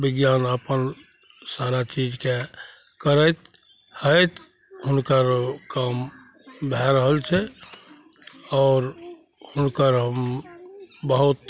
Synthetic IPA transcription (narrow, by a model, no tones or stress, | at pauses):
bɪɡjaːnəpən | saːɾat͡ʃiːd͡ʒke | kəɾət̪ | həjt̪ | ɦʊnkəɾkam | bʱɛɾəɦəlt͡ʃʰɛ | ɔːɾ | hʊnkəɾɦəm | bəɦʊt̪